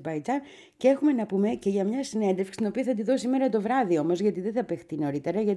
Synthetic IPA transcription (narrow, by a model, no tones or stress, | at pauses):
bɐjd͡zɐn | ceexume̞nɐpume̞ce̞ʝɐmɲɐsine̞nd̪efkst̪ino̞piɐθɐt̪̬iðo̞sime̞ɾɐt̪o̞vɾɐðio̞mo̞zʝɐt̪iðe̞θɐpext̪ino̞ɾit̪e̞ɾɐʝɐt̪